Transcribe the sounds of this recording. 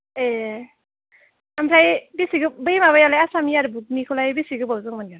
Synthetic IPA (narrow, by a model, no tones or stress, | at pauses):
e | ampʰajbisiɡɯbɯjmaβajalajasamiaɾubuɡ̚nikʰulajbisiɡɯbawzɯŋmaniɡa